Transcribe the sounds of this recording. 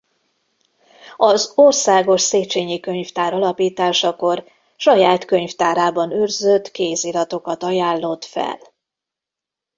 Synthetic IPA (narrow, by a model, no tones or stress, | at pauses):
ɒzorsaːɡo̞ʃseːt͡ʃeːɲikø̞ɲft̪aːɾɒlɒpiːt̪aːʃɒko̞r | ʃɒjaːt̪kø̞ɲft̪aːɾaːbɒnørzøt̪keːzilɒt̪o̞kɒt̪ɒjaːlːo̞t̪fɛ̰l